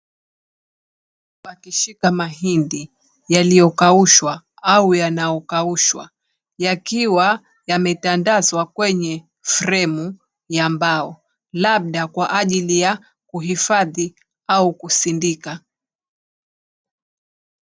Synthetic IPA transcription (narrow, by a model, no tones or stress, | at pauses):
pakiʃikamaɦindi | jalijɔkauʃwa | aujanajɔkauʃwa̰ | jakiwa | jamɛtandazwakwɛɲɛ | fɾɛmu | jambaɔ | laɓ̚ɗakwaʔaʄilija | kuɦifaði | aukusindika